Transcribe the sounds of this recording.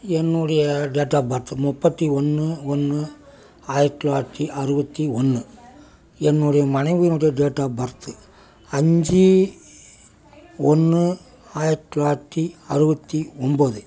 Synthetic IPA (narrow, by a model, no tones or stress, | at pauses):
ɛnːuɽɐjɐɖeːʈːaːbɐɾt̪ːɯmʊpːɐt̪ːiɔnːɯɔnːɯ | aːjɪɾʈːlaːʈ̪ːiʔɐɾɯbɐt̪ːiɔnːɯ | ɛnːuɽɐjɐmɐnɐɪʋujɪnʊɽɐjɐɖeːʈːaːbɐɾɐt̪ːɯ | ɐɲd͡ʒi | ɔnːɯ | aːjɪɾʈːlaːt̪ːiɐɾɯbɐt̪ːiɔmboðɯ